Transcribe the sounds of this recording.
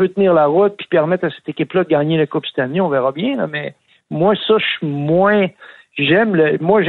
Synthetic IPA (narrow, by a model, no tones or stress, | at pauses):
pøt̪niːʁlaʁʊt̪̚pi̥pɛʁmɛt̪χasɛ̥t̪ekʲɪplʌd̪əɡaːɲelakʊpst̪aniɔ̃vɛʁɑbjɛ̃lʌ̰mɛ | mwasʌʃymwɛ̃ | ʒɛmləmwaʒ